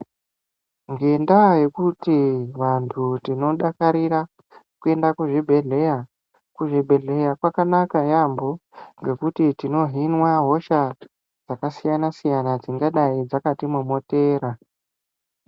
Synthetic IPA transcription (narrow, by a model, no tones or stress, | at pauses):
ŋɡe̞ndaje̞kutiʋantʰutino̞ɗakaɾiɾa | kue̞ndakuʐibʱe̞ɮe̞ja | kuʐibʱe̞ɮe̞jakwakanakajambo̞ŋɡe̞kutitino̞ɦinwaɦo̞ʃa | d͡zakasijanasijanad͡ziŋɡaɗaid͡zakatimumo̞te̞ːɾa